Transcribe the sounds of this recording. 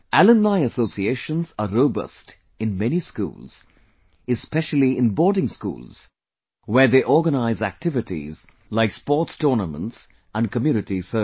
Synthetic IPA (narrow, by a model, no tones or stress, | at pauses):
ʔælə̃nlaɪəsoːsieːʃə̃nzəɾoʊbʌ̰st | ɪ̃nmɛniskṵːlz̥ | ɨspɛʃəl̩iɪ̃nbɔːdɪ̃ŋskṵːlz̥ | wəːðeʔɔːɡənaɪzæk̚tʰɪvɪʈḭz | laɪkspɔːtstɔːnəmə̰̃nts | ʔə̃nkəmjuːnɪtisə